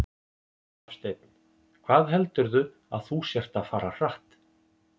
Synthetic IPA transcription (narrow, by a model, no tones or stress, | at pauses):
fst̪eːjt̪̚nɪ | kʰvaːðɦɛlt̪ʏɾðʏ | aðθusjɛr̥t̪aðfaːɾar̥aht̪